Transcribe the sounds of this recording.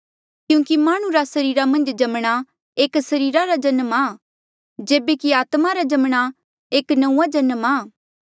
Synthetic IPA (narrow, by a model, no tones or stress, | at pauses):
kjũːkimaːɽ̃ũɾasɐɾiːɾamɐ̃nd͡ʒd͡ʒɐmɽ̃a | eːksɐɾiːɾaɾad͡ʒɐnmaː | d͡ʒeːbekiaːt̪maɾad͡ʒɐmɽ̃a | eːknɐũːad͡ʒɐnmaː